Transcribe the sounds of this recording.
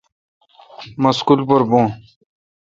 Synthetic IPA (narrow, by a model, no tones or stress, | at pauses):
mɐskulpoɾbõː